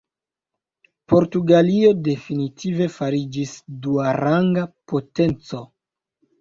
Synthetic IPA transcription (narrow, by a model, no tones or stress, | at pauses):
po̞ɾtuɡalio̞de̞finitʰive̞faɾid͡ʒisduaɾaŋɡapo̞te̞nt͡so̞